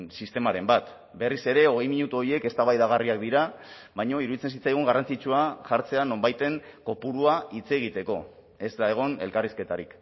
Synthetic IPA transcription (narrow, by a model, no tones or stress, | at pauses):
nsist̪e̞maɾe̞mbat̪ | be̞rise̞ɾe̞o̞ɣ̞e̞jmiɲut̪uo̞ɾie̞ke̞st̪aβajðaɣ̞ariak̚d̪iɾa | βajɲo̞iɾuðit͡se̞nsit͡sajɣ̞uŋɡarant͡sit͡ʃuaʝaɾt͡se̞ano̞mbajt̪e̞ŋko̞puɾuait͡se̞ɣ̞it̪e̞ko̞ | e̞zd̪ae̞ɣ̞o̞ne̞̰lkariske̞t̪aɾik